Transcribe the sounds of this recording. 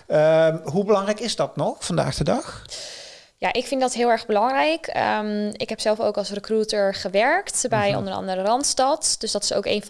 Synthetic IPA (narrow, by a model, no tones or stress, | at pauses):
əɦubəlɑŋrɛjkɪzdɔtnɔxfɑnda̰ːxd̥ədɑx | jaʔɪkfɪndɔtɦɪːlˠɛɹɣbəlɑŋrɛjkʰə̰mɪkɦɛpsɛlˠfo̰wkɑlˠsrəkrutəɹχəʋɛɹktbɛjɔ̰ndənɑ̰ndərərɑntstɑtd̥øsdɔtɪ̥so̰wkḛjn